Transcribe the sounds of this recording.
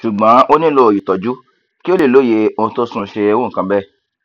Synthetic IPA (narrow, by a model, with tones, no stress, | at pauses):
ʃu˨ɡ͡bã˨˦ʔo˦nĩ˦lo˦˨ji˨tɔ˨d͡ʒu˦ | ki˦o˦le˦˨lo˨˦je˧o˧to˦sũ˧ʃe˧wõ˦˨kã˧bɛ˦